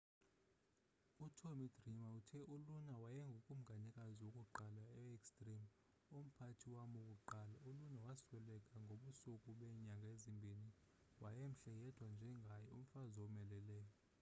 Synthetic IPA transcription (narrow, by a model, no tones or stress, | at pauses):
utʰomidrimautʰɛʔulunawajɛŋɡʱokʼum̩ɡʱaɲakʼaziwokʼuǃalaɛekstʼrim | om̩pʰatʰiwamokʼuǃaːlaulunawaswɛlɛkʼaŋɡʱoɓusukʼuɓɛɲaŋɡʱaezimbʱeni | wajem̩ɬɛjɛd̥ʰʱwand͡ʒʱɛŋɡʱajɔum̩fazomɛlɛlɛjɔ